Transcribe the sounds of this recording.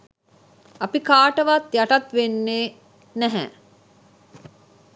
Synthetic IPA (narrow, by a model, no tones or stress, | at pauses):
apikaːʈəʋat̪jaʈɐt̪ʋenːeː | næɦɛ̰